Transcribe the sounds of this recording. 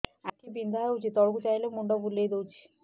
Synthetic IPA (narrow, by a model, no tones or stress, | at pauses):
akibind̪ʱaut͡ɕʰit̪ːɔɾkut͡ɕajlemuɳɖobulːejd̪ewt͡ɕʰi̥